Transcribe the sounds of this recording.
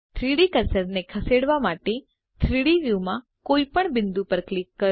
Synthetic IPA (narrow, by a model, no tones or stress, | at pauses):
t̪ʰɾiɽikəɾsəɾnekʰəseɽʋamaʈe | t̪ʰɾiɽiʋjumã | koipəɳbɪnd̪upəɾklikːə